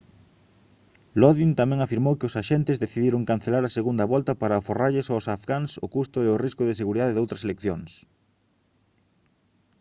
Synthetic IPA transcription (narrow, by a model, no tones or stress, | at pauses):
lɔðint̪amɛ̃ŋafiɾmowkɪʊsaʃɛnt̪ɪzðeθiðiɾoŋkan̟θelaɾɐseɣund̪ɐβɔlt̪ɐpaɾɐforaʎɪsawsafɣaŋsʊkust̪ʊeʊriskʊðɪs̬eɣuɾiðaðeðowt̪ɾɐselekθjoŋs